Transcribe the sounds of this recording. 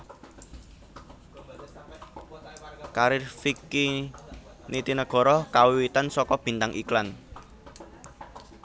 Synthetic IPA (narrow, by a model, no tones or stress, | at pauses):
kaɾɪrfiki | nit̪inəɡ̥ɔ̤ɾɔkawiwit̪ansɔkɔb̥i̤nt̪aŋʔiklan